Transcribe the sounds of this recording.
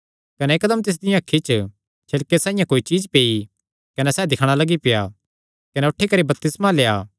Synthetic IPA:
kɐnɛːkd̪əmt̪ɪs̬d̪ɪjãɐkʰːit͡ʃə | t͡ʃʰɪlkesãːɪ̃jãkoːit͡ʃiːd͡ʒpeːi | kɐnɛsɛːd̪ɪkʰɽ̃alɐɡipɪja | kɐnɛʊʈʰːikɐɾibɐp̚t̪ɪsmaleːaː

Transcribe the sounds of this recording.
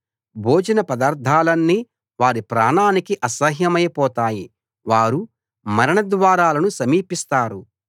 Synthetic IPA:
bʱoːd͡ʒɐnɐpɐd̪aːɾt̪ʰaːlɐnːi | ʋaːɾipɾaːnaːnikiʔɐsɐɦjɐmɐjɐpɔːt̪aːji | ʋaːɾu | mɐɾɐɳɐd̪ʋaːɾaːlɐnusɐmiːpist̪aːɾu

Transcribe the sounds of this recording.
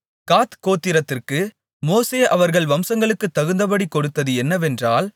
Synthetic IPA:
kaːt̪koːt̪ːɪɾɐt̪ːɪrkɯ | moːseːʔɐʋɐɾɣɐɭʋɐmsɐŋɡɐɭɯkːɯt̪ːɐɣɯnd̪ɐpɐɽikɔɽɯt̪ːɐðɯɛnːɐʋɛndraːl

